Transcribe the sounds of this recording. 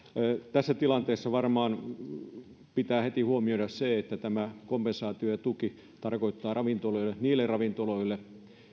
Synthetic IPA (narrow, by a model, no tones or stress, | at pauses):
t̪æsːæt̪ilɑnt̪eːsːɑʋɑrmɑːn | pit̪æːhet̪ihuomiodɑsseet̪ːæt̪æmækompensɑːt̪iojɑt̪uki | t̪ɑrkoit̪ːɑːrɑʋint̪oloilːeniːlːˑerrɑʋint̪oloilːe